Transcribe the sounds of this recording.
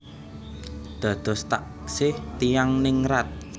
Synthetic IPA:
d̪̥a̤d̪̥ɔ̤st̪aʔ | sɪht̪ijaŋnɪŋɾat̪̚

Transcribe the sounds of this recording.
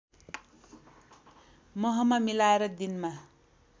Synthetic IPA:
mʌɦʌmamilaeɾʌd̪inma

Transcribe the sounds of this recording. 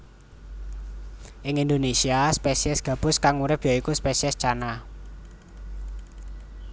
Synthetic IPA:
ʔɪŋind̪onesiaspesiɛsɡ̥ä̤b̥ʊ̤skaŋuɾɪp̚jaikuspesiɛst͡ʃana

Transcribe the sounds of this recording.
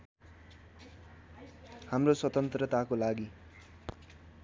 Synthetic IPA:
hamroswʌt̪ʌnt̪rʌt̪akolaɡi

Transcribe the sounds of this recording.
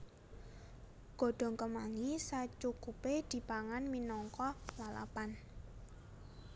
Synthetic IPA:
ɡ̥ɔ̤ɖ̥ɔ̤ŋkəmaŋisat͡ʃukuped̪̥i̤b̥aŋanminɔŋkɔlala̰pan

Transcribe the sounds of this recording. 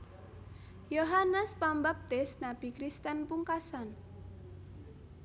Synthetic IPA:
joɦanəspambap̚t̪ɪsnab̥ikɾist̪ɛnpuŋkasan

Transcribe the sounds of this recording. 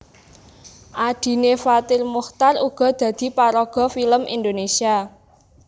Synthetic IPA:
ʔad̪̥i̤nefat̪ɪrmuxt̪aruɡ̥ɔ̤d̪̥ä̤d̪̥i̤paɾɔɡ̥ɔ̤filəmʔḭnd̪onesia

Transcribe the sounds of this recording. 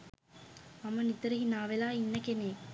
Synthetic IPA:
ɐmɐnit̪ɐɾɐɦinaːʋelaːinːɐkeneː

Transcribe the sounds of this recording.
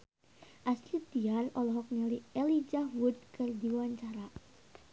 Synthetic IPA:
ʔaslit̪iarɔlɔɦɔk̚naliɛlid͡ʒahwud̪̚kɨrd̪iwaɲt͡ʃaɾa

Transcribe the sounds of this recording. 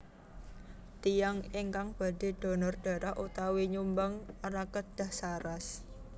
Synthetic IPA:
t̪ijaŋeŋkaŋb̥a̤d̥e̤d̪̥ɔ̤nɔrɖ̥a̤ɾaʔut̪awiɲumbaŋaɾakəd̪̥a̤hsaɾas

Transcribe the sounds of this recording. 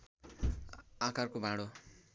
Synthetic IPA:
akarkobʱãɽo

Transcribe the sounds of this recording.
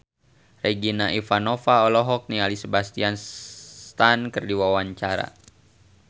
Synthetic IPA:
rɛɡinaʔifanɔfaɔlɔɦɔk̚nialisəbast̪ianst̪ankɨrdiwawaɲt͡ʃaɾa̰

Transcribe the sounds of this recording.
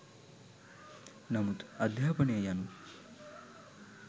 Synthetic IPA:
nɐmut̪ɐd̪ʱjaːpɐɳejanu

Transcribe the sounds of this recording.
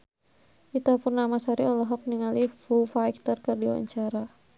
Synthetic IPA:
kit̪apurnamasaɾiɔlɔɦɔk̚niŋalifufajk̚t̪ərkɨrdiwa̰ɲt͡ʃaɾa

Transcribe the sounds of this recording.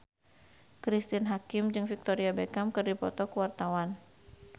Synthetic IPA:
kɾist̪inɦakɪmd͡ʒɨŋfik̚t̪oɾiabekamkɨrdipɔt̪ɔkəwart̪awan

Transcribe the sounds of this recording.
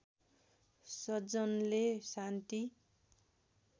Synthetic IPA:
sʌd͡zʌnlesant̪i

